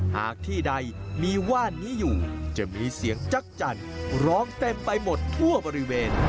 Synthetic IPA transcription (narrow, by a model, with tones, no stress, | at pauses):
ha̰ː˨˩k̚t̪ʰiː˥˩da˧jmiː˧waː˥˩nːiː˦˥juː˨˩t͡ɕa˨˩miː˧si˩˦əŋt͡ɕa˦˥k̚t͡ɕa˧nɾɔː˦˥ŋt̪e˧mpa˧jmo˨˩t̪ʰːu˥˩ɐbɔː˧ɾi˦˥weː˧n